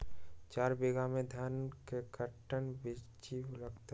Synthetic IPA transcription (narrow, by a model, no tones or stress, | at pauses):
t͡ʃaːɾbeɡamẽd̪ʱənkekəʈːənbit͡ʃiləɡt̪